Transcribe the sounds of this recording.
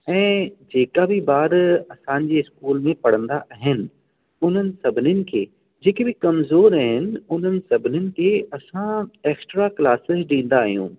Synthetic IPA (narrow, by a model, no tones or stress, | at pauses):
ɛ̃ːd͡ʑeːkabɪbaːd̪ɐsãɲ̆d͡ʑeːɪskuːlmẽpɐɽ̤ə̃nd̪aʔaːɦɪnɪ̆ | ʊn̤ənɪ̆sɐbʱɪnjənɪ̆kʰeː | d͡ʑeːkebɪkɐmzoːɾaːɦɪnɪ̆ʊn̤ənɪ̆sɐbʱɪnɪnɪ̆kʰeːɐsãeːksʈɾaklaːsɪzɗĩːn̆d̪aːɦijṵ̃ː